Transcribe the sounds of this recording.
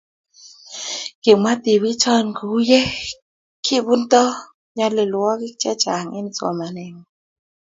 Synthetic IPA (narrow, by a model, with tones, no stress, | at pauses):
ɡ̥ɪ˨ma˦d̪i˨wi˦t͡ʃɔ˦nɡu˨˦jɛ˦ | kʰi˦bu˦nt̪ɔ˦ | ɲa˦lɪ˨lwɔ˦kɪ˦t͡ʃɛ˦t͡ʃa˨ŋɪ˦n˨t͡swɔ̰˨ma˨nɛ˨ŋɔ˨